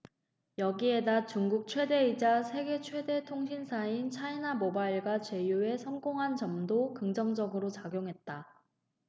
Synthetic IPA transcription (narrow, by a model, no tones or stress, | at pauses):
jʌɡie̞dat͡ɕuŋɡuk̚t͡ɕʰwe̞de̞id͡ʑasʰe̞ɡe̞t͡ɕʰwe̞de̞tʰoŋɕʰinsʰaint͡ɕʰainamobaiɭɡwat͡ɕe̞jue̞sʰʌŋɡoŋɦant͡ɕʌmdokɯŋd͡ʑʌŋd͡ʑʌɡɯɾot͡ɕaɡjoŋɦe̞t̚t͈a